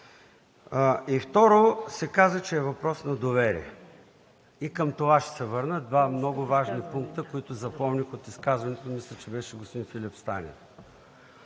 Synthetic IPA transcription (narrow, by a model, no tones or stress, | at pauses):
ift̪ɔɾosɛkazət͡ʃɛːvɐpɾɔsnɐd̪ovɛɾḭɛ | ikəmt̪ovaʃt̪ɛ̥sɛvɤɾnəd̪vamnɔɡʊvaʒnipuŋk̚t̪əkoit̪ʊzɐpɔmnʲixot̪iskazvɐnɛt̪omislʲət͡ʃɛbɛʃɛɡospod̪infilʲipst̪anʲḭn